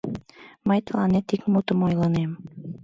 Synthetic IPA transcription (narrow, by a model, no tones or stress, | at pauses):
mɑjt̪lˠɑnɘt̪ikmut̪ɤmɒjlˠɑnɤjm